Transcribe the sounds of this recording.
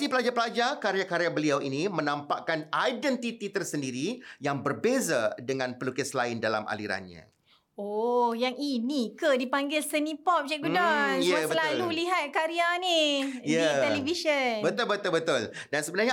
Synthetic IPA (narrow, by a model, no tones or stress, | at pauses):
ipəlad͡ʒapəlad͡ʒakaɾjakaɾeabəliawinimə̃nampaʔkanajdɛnt̪it̪it̪ərsəndiɾijaŋbərbezadəŋãnpəlukɪslaɪndala̰mʔa̰lḭɾa̰nɲã̰ | ojaŋinikədipaŋɡɪlsənipɔp̚d͡ʒɛʔɡudɔnjbəlalluliɦat̪̚kaɾianijaiɛliviʃənbət̪ʊlbət̪ʊlbət̪ʊl | dansəbənarɲa